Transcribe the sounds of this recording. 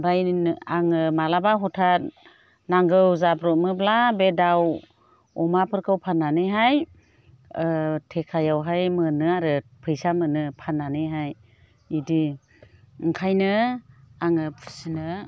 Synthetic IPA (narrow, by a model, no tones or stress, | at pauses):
bajnaŋɯmalabaɦɔtʰat̚ | naŋɡɯwzabɾɔt̚mɯblabedaw | ɔmapʰɯɾkʰɯwpʰanːanɯjɦaj | tʰekʰajawɦajmɯnɯaɾɯpʰɯjsamɯnɯpʰanːanɯjɦaj | idi | ŋkʰajnɯ | aŋɯpʰɯ̥sinɯ